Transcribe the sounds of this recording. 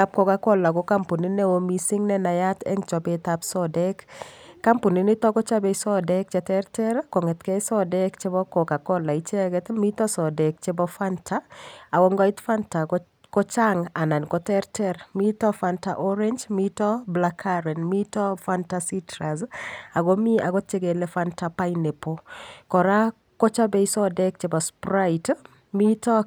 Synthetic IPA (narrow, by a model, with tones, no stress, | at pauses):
a˦p̚kɔ˨ka˦kɔ˦la˨ko˦ka˦mpo˨ni˦nɛ˦wo˦misi˦ŋnɛ˦na˨ja˦t̪ɛ̰˦ŋt͡ʃɔ˨bet̪apsɔdɛkːa˦mpo˨ni˨˦ni˦t̪ɔ˦kɔ˦t͡ʃa˦be˨sɔ˦dɛ˦k̚t͡ʃɛt̪ɛrtɛ˦ɾkɔ˨ŋɛ˨t̪kɛ˦sɔ˦dɛ˦kt͡ʃe˦bɔ˦kɔ˨ka˨kɔ˦la˨it͡ʃɛ˦ɡɛt̪mi˦t̪ɔ˦sɔ˨dɛ˨k̚t͡ʃɛbɔfantʰa˦a˨wɔ˦ŋɡɔ˦i˦t̪fanta˨ | kɔ˦t͡ʃaŋa˨na˨nkɔtɛɾtɛɾmitɔ˦fanta̰ʔoɾeɲd͡ʒmitɔblakʰaɾɛ˨nmi˦tɔ˦fantasitɾaza˨ɡɔ˦mi˦a˨ɡɔ˦te˦ɡe˨lefantapa˦ine˨pokɔ˨ɾa˦ | ko˦t͡ʃa˦be˦isɔ˦dɛk̚t͡ʃebɔspɾait | mi˦tɔ˦